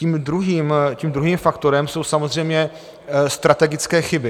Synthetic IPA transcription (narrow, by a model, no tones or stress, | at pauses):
iːmdɾuɦiːmciːmd̪ɾuɦiːmfakt̪o̞ɾɛmso̞wsamo̞zr̝ɛjmɲɛ | st̪ɾat̪ɛɡɪt͡skɛːxɪbɪ